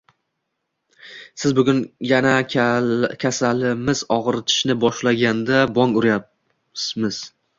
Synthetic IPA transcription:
sɪzbʊɡʲʊnjana | kʲʰasalɪmɪz̥ɒʁɨɾt̪ʰɪ̥ʃnɪbɒʃlaɡʲand̪abɒŋʊɾja | mɪz̥

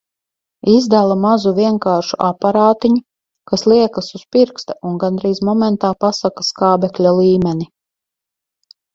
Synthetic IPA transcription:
izd̪alˠamazuvʲiɛŋkaːɾʃuʔapaɾaːt̪iɲu | kaslˠiɛkasuspiɾkst̪aunɡanɾiːzmɔmɛnt̪aːpasakḁskaːbɛklʲalˠiːmɛni

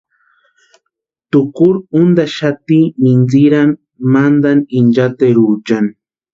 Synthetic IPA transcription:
t̪ʊkʊɾʊnd̪aʃat̪imɪnd͡zɪɾamː | and̪anɪnd͡ʒat̪eɾut͡ʃan

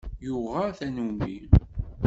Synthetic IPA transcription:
jʊʁaθænumḭl

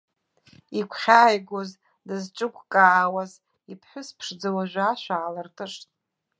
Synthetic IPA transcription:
ikʷʰχʲaːjɡʷoz | dɨzʈ͡ʂʼɨkʷʰʼkʼaːwaz | ipʰħʷʊspʰʂd͡zawaʒᶣʷaʃʷᶣaːlartʼɨʂtʼ

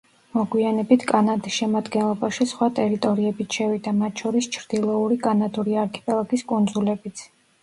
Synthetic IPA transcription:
mɔɡwianɛbit̪ʰkʼanad̪isʃɛmad̪ɡɛnlˠɔbaʃisχwat̪ʼɛɾit̪ʼɔɾiɛbit̪ʰʃɛvid̪amat̪ʰʃʰɔɾist͡ʃʰɾd̪̥ilˠɔuɾikʼanad̪uɾiaɾkʰɛ̥pʼɛlˠaɡiskʼund̪zulɛbit̪sʰ

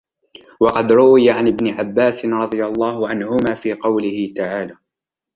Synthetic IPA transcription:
wɑqɑd̪ɾʊwɪjaʕanɪbnɪʕabːaːsɪnɾˤɑd̪ˤɨjalˤːɑːhʊʕanhʊmaːfiːqɑwlɪhɪt̪aʕaːlaː

